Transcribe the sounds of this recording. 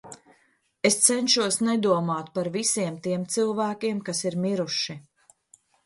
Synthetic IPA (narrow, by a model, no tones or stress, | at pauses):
est̪sɛnʃuɔsnɛd̪uɔmaːt̪paɾvisiɛmt̪iɛmt̪sɨlˠvæːkʲiɛmkasiɾmiɾuʃi